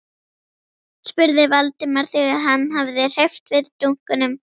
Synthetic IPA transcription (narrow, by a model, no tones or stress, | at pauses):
spʏɾðɪvalt̪ɪmaɾ̥θɪɣaðɦanːɦavðɪr̥eft̪vɪðt̪uŋ̥kʏnʏm